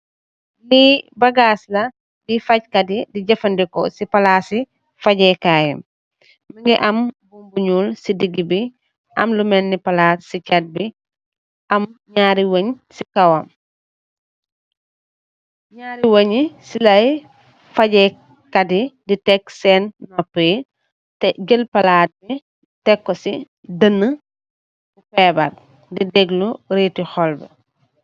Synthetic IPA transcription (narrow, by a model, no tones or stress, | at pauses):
libaɡaːslɐ | difackadidiɟɐfɐndikɔsipalaːsi | faɟɛkajɛ̰m | miŋɡɛʔambumbuɲulsidiɡibi | ʔɐ̰mlumɛnːipalaːtsicat̚bi | ʔɐmɲaːɾiwəɲsikawam | ɲaːɾiwoɲisilɐj | faɟɛ | kadiditɛksɛnːɔpːi | tɛɡəlpɐlaːt̚bi | tɛkːɔsi | dənːə | bupɛːbɐt | didɛɡluɾetixɔlbɛ̰